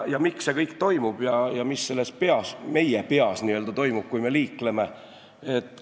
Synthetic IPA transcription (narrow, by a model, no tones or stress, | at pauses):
jɑmiksse̞kɤjkt̪o̞jmub̥jɑjɑmisːe̞lːespe̞ɑsme̞jepe̞ɑsniːøld̪ɑt̪o̞jmub̥̚kujme̞liːkle̞me̞ | et̪ːˑ